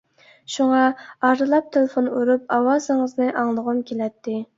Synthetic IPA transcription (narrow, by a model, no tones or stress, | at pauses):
ʃuŋɑɑɾd̪ɨlˠɑp̚t̪ʰelɪfonuɾup̚ɑwɑːzɨŋəznɨʔɑŋlˠəʁʊmkʲʰelɛt̪ʰːɪ